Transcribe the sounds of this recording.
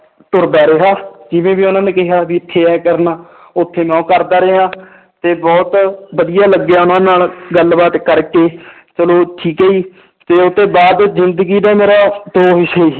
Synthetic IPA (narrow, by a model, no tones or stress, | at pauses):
t̪ʊɾbɛːɾeːɦaːd͡ʒɪʋẽːbiːʊnãːnẽːkɪɦaːbiːɪt̪ʰːeːɛːkəɾnaː | ʊt̪ʰːeːmɛ̃ːkəɾd̪aːɾeɦãː | t̪eːbɔːt̪bəd̪ɪjaːləɡjaːʊnãːnaːlɡəlbaːt̪kəɾkeː | t͡ʃəloːʈʰiːkɦeːiː | t̪eːʊt̪ːeːbaːd̪zɪnd̪əɡiːd̪ɛːmeːɾaːt̪oːʋɪʃɦeiː